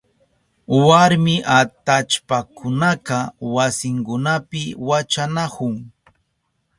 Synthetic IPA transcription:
waɾmɪʔat̪at͡ʃpakʰʊnaqɑwasɪŋkʊnapɪwat͡ʃanakʊŋ

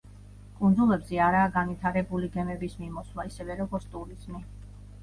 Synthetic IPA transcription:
kʼund̪zulˠɛbzɛaɾaːɡanvit̪ʰaɾɛbuliɡɛmɛbismimɔslaisɛvɛɾɔɡɔɾt̪sʰt̪ʼuɾiz̥mi

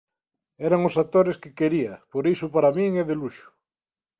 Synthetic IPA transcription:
ɛɾaŋosat̪oɾeskɪkeɾiɐpoɾisʊpaɾamĩŋeðeluʃʊ̥

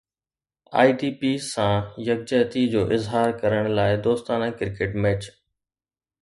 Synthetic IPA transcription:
a̰ːiːʈiːpiːsãːjɐɡ̚d͡ʑəːt̪id͡ʑoːʔɪzɦaːɾkɐɾəɽ̃laːɪd̪oːst̪aːnãkɪɾkeːʈmɛːt͡ɕ

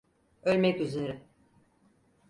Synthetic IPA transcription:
ø̞lʲmɛcyze̞ɾɪ

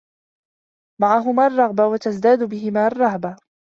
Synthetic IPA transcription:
maʕaɦʊmaːʔrˤːɑɣbawat̪asd̪aːd̪ʊbɪɦɪmaːʔɑrˤːɑɣba

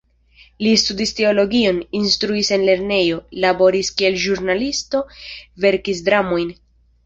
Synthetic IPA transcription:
listudiste̞o̞lo̞ɡio̞ninstɾuise̞nle̞ɾne̞jo̞labo̞ɾiskie̞lʒuɾnalisto̞ve̞ɾkisdɾamo̞jn

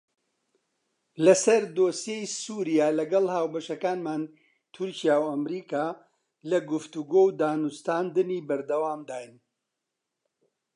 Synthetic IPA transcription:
lɐsɐɾd̪oːsjejsuːɾijaːlɐɡɐlˠhaːwbɐʃɐkaːnmaːn | t̪ʰʊɾcijaːwɐmɾiːkaː | lɐɡʊft̪uɡowd̪aːnust̪aːnd̪ɨniːbɐɾd̪ɐwaːmd̪aːjn

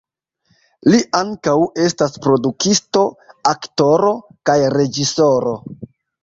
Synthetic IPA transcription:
liʔaŋkawe̞staspɾo̞dukisto̞akto̞ɾo̞kajɾe̞d͡ʒiso̞ɾo̞

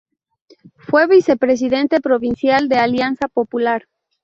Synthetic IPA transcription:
fwe̞βise̞pɾe̞s̬iðe̞nt̪e̞pɾo̞βinsjald̪e̞aljansapo̞pulaɾ

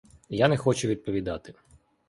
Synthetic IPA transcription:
janɛxɔt͡ʃʊʋʲid̪̚pɔʋʲid̪ɑt̪ɪ

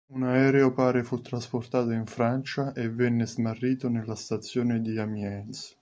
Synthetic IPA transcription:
unaɛːɾeopaːɾefut̪ːɾasport̪aːt̪oiɱfɾant͡ʃaʔevːɛnːɪzmarːiːt̪onelːast̪at̪sːjoːned̪iamjɛns

